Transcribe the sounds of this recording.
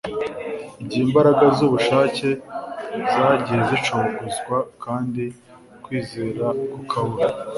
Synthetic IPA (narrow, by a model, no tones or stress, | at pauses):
iɟiːmbaɾaɡazuβuʃaːce̞ | zaːɟizet͡ʃoβoɡozɡwakʰaːndi | kwiːzeːɾakukʰaβuɾa